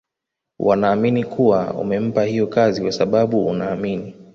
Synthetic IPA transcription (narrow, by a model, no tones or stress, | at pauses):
wʔanaːminikʰuwa̰ṵmɛm̩pahijɔkazikwasaɓaɓuunaːmini